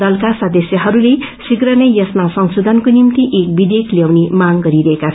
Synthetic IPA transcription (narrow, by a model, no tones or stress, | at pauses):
ʌlkasʌd̪ʌsjʌɦʌɾulesiɡrʌnʌjjʌsmasʌŋsud̪ʱʌnkonimt̪iʔek̚bid̪ekʰljawnimaŋɡʌɾiɾʌɦeka